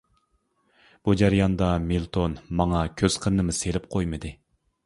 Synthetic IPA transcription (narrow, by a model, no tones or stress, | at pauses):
b̥ud͡ʒæɾijɑnd̪ɑmilˠt̪ʰonmɑŋɑkʲʰøz̥qʰəɾnɨmɨselɪp̚qʰojmɨd̪ɨ